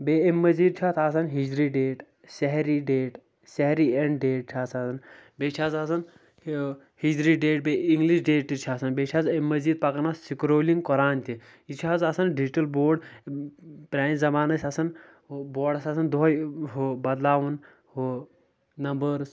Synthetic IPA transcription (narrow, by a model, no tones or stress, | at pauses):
beːemːɐzid̪̚t͡ʃʰat̪ʰasɐnɦid͡ʒɾiɖeːʈ | sɛɦɾiɖeːʈ | sɛɦɾieɳɖɖeːʈ̚t͡ʃʰaːt͡saːsɐnbet͡ʃʰaːzasɐn | hid͡ʒɾiɖeːʈ̚beiŋɡliʃɖeːʈt̪it͡ʃʰaːsɐnbet͡ʃʰaːzemːɐziːd̪̚pɐkɐnassikɾoːliŋɡkɔɾaːnt̪i | it͡ʃʰaːzasɐnɖid͡ʒiʈɐlboːɾɖ | pɾʲaːnzɐmaːnɐsʲasɐn | boːɾɖɐsasɐnd̪ojɦobɐd̪laːʋun | ho | nɐmbəɾs